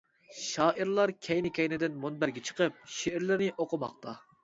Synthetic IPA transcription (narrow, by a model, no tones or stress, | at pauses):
ʃɑːʔiɾlˠɑɾkʲʰɛjnɪkʲʰɛjnɪd̪ɪnmonbæɾɡʲɛt͡ʃʰə̥qəp̚ʃeɪɾlɪɾnɪʔoqʰʊmɑχt̪ʰɑ